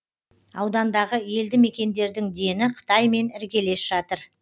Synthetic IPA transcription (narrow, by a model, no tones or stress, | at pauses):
ɑwd̪ɑnd̪ɑʁəje̞ld̪ɪme̞kʲe̞nd̪e̞ɾd̪ɪŋd̪e̞nɪqʰə̥t̪ɑjme̞nɪɾkʲe̞le̞sʒɑt̪əɾ